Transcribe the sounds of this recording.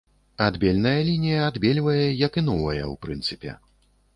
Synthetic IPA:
ad̪bʲelʲnɐjɐlʲinʲijɐad̪bʲelʲvɐjɛjɐkinɔvɐjɐ̰wpɾɨnt̪sɨpʲɛ̰

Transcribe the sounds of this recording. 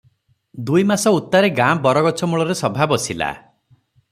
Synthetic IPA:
d̪ujmasɔut̪ːaɾeɡabɔɾɔɡɔt͡ʃʰɔmuɭɔɾesɔbʱabɔsila̰

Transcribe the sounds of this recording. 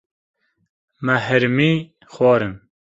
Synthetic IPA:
mɛɦɨɾmiː | xwɑːɾɨn

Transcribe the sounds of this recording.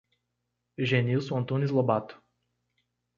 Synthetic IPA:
ʒʲɛnʲisuɔnt̪unʲislˠɔbat̪ʊ̥

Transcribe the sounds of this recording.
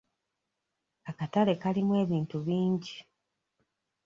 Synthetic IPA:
akatale̞kalimwe̞ːβiːntuβiːɲɟi

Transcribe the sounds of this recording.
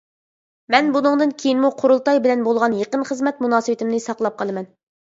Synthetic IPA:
mɛnbunɨŋd̪ɨnkʲʰejinmuqʰoɾulˠt̪ɑjbɪlɛnbolˠʁɑnjeqənχəzmɛt̪munɑːsɨwɪt̪ɪmnɨsɑqlˠɑp̚qʰɑlˠɨmɛn

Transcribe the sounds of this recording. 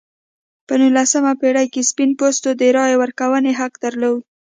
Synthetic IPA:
pənulasəmapeɽajkespinpost̪od̪əɾɑjewəɾkawəneɦakd̪əɾlow

